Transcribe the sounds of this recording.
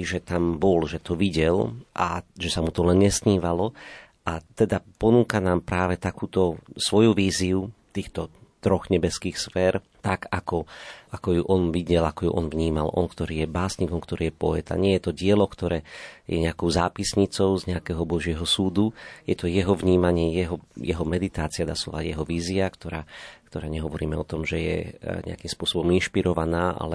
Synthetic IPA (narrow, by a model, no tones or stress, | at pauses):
ʒɛt̪ambɔlʒɛt̪ɔʋiɟɛlʔa̰ʒɛsamut̪ɔlɛnɲɛsɲiːʋalɔ | at̪ɛd̪apɔnuːkanaːmpɾaːʋɛt̪akuːt̪ɔsʋɔjuʋiːziut̪iːxt̪ɔt̪ɾɔɣɲɛbɛskiːxsfɛːɾ | t̪aɡakɔʔakɔjuʔɔnʋiɟɛlakɔjṵʔɔnvɲiːma̰lɔ̰nkt̪ɔɾiːjɛbaːsɲikɔmkt̪ɔɾiːjɛpɔɛ̰t̪a̰ɲɪɛjɛt̪ɔɟɪɛlɔkt̪ɔɾɛːjɛ̰ɲɛakɔʊzaːpisɲit͡sɔʊzɲɛakɛːɦɔbɔʒɪɛɦɔsuːd̪ujɛt̪ɔjɛɦɔvɲiːmaɲɪɛjɛɦɔjɛɦɔmɛd̪it̪aːt͡siad̪a̰ːsɔ̰ʋa̰ɟjɛɦɔʋiːziakt̪ɔɾaːkt̪ɔɾaːɲɛɦɔʋɔɾiːmɛɔt̪ɔmʒɛjɛ̰ɲɛ̰a̰kimspʊɔsɔbɔminʃpiɾɔʋanaːʔa̰lɛ